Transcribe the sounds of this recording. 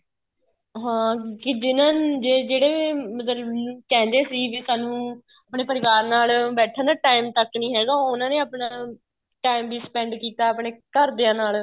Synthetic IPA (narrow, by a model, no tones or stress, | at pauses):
ɦãːkɪd͡ʒɪnãːd͡ʒeːd͡ʒeːɽeːmət̪əkɛ̃ːnd̪eːsiːʋiːsaːnũː | apɳeːpəɾɪʋaːɾnaːlbɛːʈʰãnd̪aːʈaːɪmt̪əknĩːɦɛːɡaːʊnãːneːaːpɳãː | ʈaːɪmʋiːspɛ̃ːɳɖkiːt̪aːəpɳeːkəɾd̪eːãːnaːl